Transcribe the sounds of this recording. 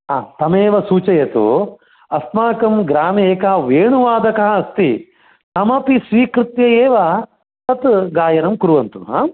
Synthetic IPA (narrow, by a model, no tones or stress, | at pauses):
aːt̪ɐmeːʋɐsuːt͡ʃɐjɐt̪ṵ | ɐst̪maːkɐmɡɾaːmieːkɐɦɐʋeːɳuʋaːd̪ɐkɐɦɐɐst̪i | t̪ɐmɐpisʋiːkɾɪt̪jɐjeːʋɐ | t̪ɐt̪ɡaːjɐnɐmkuɾuʋɐnt̪uɦa̰ː